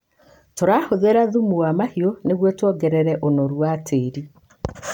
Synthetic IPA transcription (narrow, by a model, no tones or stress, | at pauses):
toɾaːhoðeɾaðumuwamahioneɣwɛtwɔɡɛɾɛɾɛʔonɔɾwatʰeːɾi